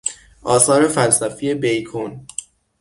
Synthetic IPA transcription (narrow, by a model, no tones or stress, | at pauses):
ʔɒːsɒːɾe̞fælsæfie̞bejkʰon